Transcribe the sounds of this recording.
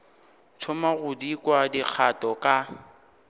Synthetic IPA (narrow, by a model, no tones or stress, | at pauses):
t͡sʰʊmaɣʊdikʼwadik͡xʰatʼɔkʼa